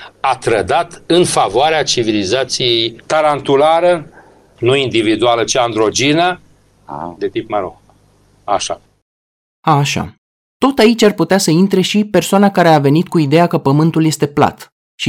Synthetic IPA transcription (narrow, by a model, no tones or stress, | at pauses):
at̪ɾəd̪at̪ɨnfavoaɾeat͡ʃivilizat̪sije̞jt̪aɾant̪ulaɾə | nuind̪ivid̪ualət͡ʃiand̪ɾo̞d͡ʒinə | d̪e̞t̪ipmaɾo | aʃa̰ | aʃa̰ | t̪o̞t̪ait͡ʃʲarput̪easəint̪ɾe̞ʃipe̞rsoanakaɾe̞ave̞nit̪̚kuid̪e̞jakəpəmɨnt̪ulje̞st̪e̞pla̰t̪ | ʃi